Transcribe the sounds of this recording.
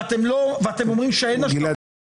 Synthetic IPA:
t̪emloveat̪emomʁimʃeenaila

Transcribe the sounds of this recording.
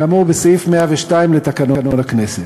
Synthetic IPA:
amuʁbesifmeaveʃtaimlet̪akanononakneset

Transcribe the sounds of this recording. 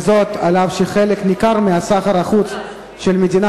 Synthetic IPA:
zo̞t̪alavʃeχeleknikaʁmeasaχaʁaχut͡s | ʃelmed̪ina

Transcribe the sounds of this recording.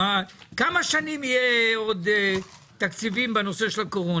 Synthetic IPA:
akamaʃanimijeo̞d̪ | t̪akt͡sivimbeno̞se̞ʃelako̞ʁo

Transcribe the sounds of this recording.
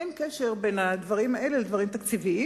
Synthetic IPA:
enkeʃeʁbe̞nad̪vaʁimaʔe̞leled̪vaʁimt̪akt͡sivii

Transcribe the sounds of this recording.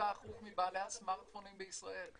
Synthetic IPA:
aːχutmibaːlehasmaʁt̪fonimbeisʁae̞l

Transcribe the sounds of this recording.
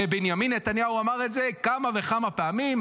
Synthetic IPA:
benjaminːet̪anjauamaʁetze̞kamave̞χamapeamim

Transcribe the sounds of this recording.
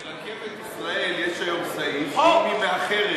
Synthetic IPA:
ʁakʰemetisʁaeljeʃaomsaioimeaχeʁe

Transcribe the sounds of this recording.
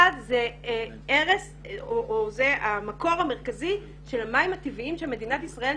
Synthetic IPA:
adze | eʁes | oʔozeamako̞ʁame̞ʁkazi | ʃe̞lamaimhat̪iviimʃeame̞d̪inatisʁael

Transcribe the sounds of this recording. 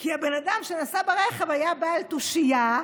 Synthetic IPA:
kiabenad̪amʃenasabeʁeχevajabaalt̪uʃija

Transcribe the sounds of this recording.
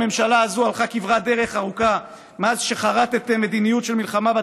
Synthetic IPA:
memʃalaːzualχakivʁad̪e̞ʁe̞χaʁuka | mazʃe̞χaʁat̪et̪me̞d̪inijutʃelmilχamaba

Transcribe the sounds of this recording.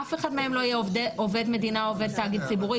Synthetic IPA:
afeχadmeemlo̞ijeʔove̞dme̞d̪inaove̞d̪̚t̪aːɡid̪̚t͡sibuʁi

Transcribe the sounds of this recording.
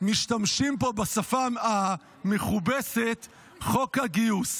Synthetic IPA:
miʃtamʃimpo̞basafaa | meχubeset̪ | χo̞kaɡius

